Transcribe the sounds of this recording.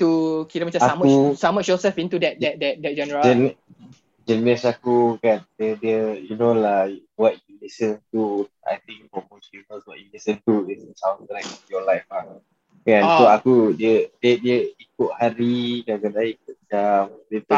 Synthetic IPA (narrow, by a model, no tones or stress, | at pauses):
t̪ukiɾamat͡ʃãaməusamətʃɔsɛfĩnt̪udɛt̚ɛt̚dɛt̚dɛt̚d͡ʒɛnəɹad͡ʒɛn | d͡ʒənəsakukandiədiəjunolawɔt̚julisə̃nt̪u | a̰jt̪ĩŋkfɔmosivəswɔʔ̚julisə̃ntuɪssãwntɾak̚ɔjɔlaɪfa | kãnsoakudiədədiəik̚ʊʔ̚haɾiɡaɡənaik̚ʊt̚d͡ʒamdit̪